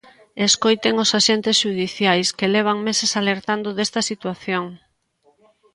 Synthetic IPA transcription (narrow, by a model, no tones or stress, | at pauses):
eskojt̪eŋʊsaʃent̪esʃuð̞iθjajskeleβ̞aŋmesesaleɾt̪and̪oðest̪ɐsit̪waθjoŋ